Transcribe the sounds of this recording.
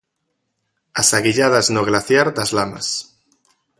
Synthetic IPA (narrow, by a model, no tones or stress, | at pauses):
asaɣiʎað̞aznoɣ̞laθjaɾd̪azlama̰s